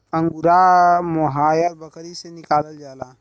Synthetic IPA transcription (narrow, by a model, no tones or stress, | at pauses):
ɐ̃ŋɡuɾamɔɦaːjɐɾbɐkəɾisenikaːlɐld͡ʒaːla